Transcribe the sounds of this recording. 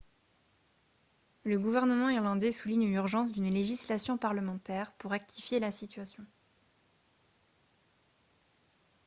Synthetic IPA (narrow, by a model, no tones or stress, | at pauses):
ləɡuvɛʁnəmɑ̃iʁlɑ̃d̪ɛsuliɲynyʁʒɑ̃s̬d̪ynleʒislasjɔ̃paʁləmɑ̃t̪ɛːʁpuʁːɛk̚t̪ʰifjelasit̪ɥasjɔ̃